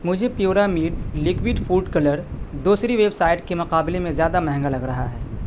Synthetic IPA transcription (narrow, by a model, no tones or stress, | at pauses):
mʊd͡ʒʱepjuːɾamiːɾlɪkʋɪɖfuːɖkɐləɾd̪uːsɾiʋeːbsaːɪʈ̚kemʊqaːbɪlemẽzjaːd̪amɛɦɛ̃ŋɡalɐɡɾɐɦaɦɛː